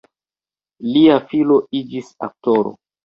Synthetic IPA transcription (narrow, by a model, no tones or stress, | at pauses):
liafilo̞id͡ʒisa̰k̚toɾo̰